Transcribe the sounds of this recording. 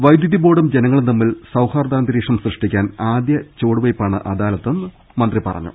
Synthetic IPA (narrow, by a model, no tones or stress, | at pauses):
ʋɐjd̪juðibo̞ːɽumd͡ʑe̞nɐŋːɐɭɐmːilsɐwhaːrd̪aːnd̪iɾiːʂɐmsrɨʂʈikʲːaːnaːd̪jɐt͡ɕo̞ːɽuʋɐjpːaːɳɨ̰ʔɐd̪aːlɐt̪ːe̞nːɨ | mɐnd̪ripɐ̰rɐ̰ɲːṵ